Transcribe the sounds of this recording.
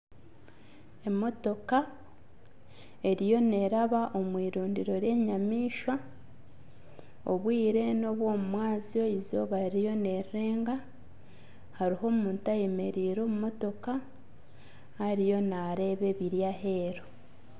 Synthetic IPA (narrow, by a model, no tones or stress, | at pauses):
e̞mo̞to̞ka | e̞ɾijo̞ne̞ɾaβaʔo̞mwiːɾuːndiɾo̞ɾje̞ːɲamiːʃwa | o̰βwiːɾe̞no̞βwo̞ːmumwaːzio̞izo̞βaɾijo̞ne̞ɾeːŋɡa | haɾiɦo̞muːntaje̞me̞ɾiːɾo̞ːmumo̞to̞ka | haɾijo̞naɾe̞ːβe̞βiɾjaɦe̞ɾo